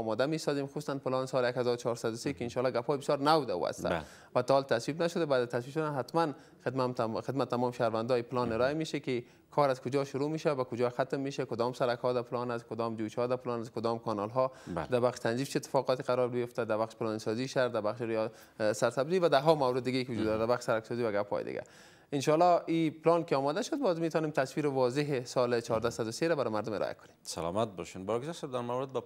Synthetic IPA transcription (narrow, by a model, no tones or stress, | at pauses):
ɔmɔd̪amesɔzimxusanpɪlɔnsɔljakhazɔɾʊt͡ʃʰɔɾsad̪ʊsekɪɪnʃɔlːɔɡaphɔjbɪsjɔɾnawd̪aṵa̰st̪a̰ | vat̪ɔːlt̪aswibnaʃʊd̪abad̪at̪as̬wibʃʊd̪anɦat̪man | xɪd̪maxɪd̪mat̪ːamɔmʃahɾvand̪ɔjipɪlɔnɪɾɔameʃakɪ | kʰɔɾazkʊd͡ʒɔʃʊɾumeʃawabakʊd͡ʒɔxat̪mːeʃakʊd̪ɔmsaɾakhɔd̪apɪlɔnaskʊd̪ɔmd͡ʒuʃhɔd̪apɪlɔnaskʊd̪ɔmkʰɔnɔlɦɔba̰ld̪abaqʃt̪ʰanzift͡ʃʰit̪ːɪ̥fɔqɔt̪ɪqaɾɔɾbɪjʊft̪ad̪abaχʃpɪlɔnsɔziʃaɾd̪abaχʃɾj | saɾt̪abzivad̪aɦɔmawɾɪd̪ːɪɡaikɪwʊd͡ʒud̪ːɔɾad̪abaxʃsaɾaksɔzivaɡaphɔ̰j̰d̪ɪ̰ɡa̰ | ɪnʃɑlɔipɪlɔnkɪɔmɔd̪aʃʊd̪̚bɔzmet̪ɔnemt̪ʰaswiɾɪwɔzɪɦɪsɔlt͡ʃɔɾd̪asad̪ʊseɾabaɾɔmaɾd̪ʊmɪ̰ɾʔɔ̰ja̰kʊ̥nemsa̰lɔ̰mat̪̚bɔʃinbɔɡzasɛb̚d̪aɾmawɾɪd̪̚ba